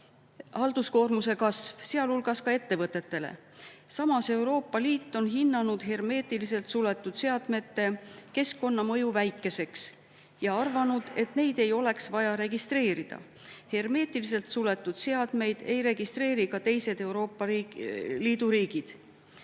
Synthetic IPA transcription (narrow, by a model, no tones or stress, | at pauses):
hɑld̪̥usko̞ːrmuse̞kɑsvseɑlulɡ̥ɑskɑe̞t̪ːe̞vɤt̪ːˑe̞t̪ːe̞lḛ | sɑmɑse̞uwɾo̞ːpːɑliːt̪ːˑo̞nɦinːɑnud̪̥ɦerme̞ːt̪ˑilise̞lt̪sule̞t̪ˑːud̪̥se̞ɑd̪̥me̞t̪ːe̞ke̞skːo̞nːɑmɤ̞juvæjkːˑe̞se̞ks | jɑɑrvɑnud̪̥e̞t̪ne̞jd̪̥e̞jo̞le̞ksvɑjɑɾe̞ɡist̪re̞ːɾid̪̥ɑ̰ | herme̞ːt̪ilis̬e̞lt̪sule̞t̪ːˑud̪̥se̞ɑd̪̥me̞jd̪̥e̞jɾe̞ɡ̥ist̪re̞ːɾikɑt̪e̞jse̞d̪̥e̞wɾo̞ːpːˑɑ | liːd̪̥uɾiːɡ̥id̪̥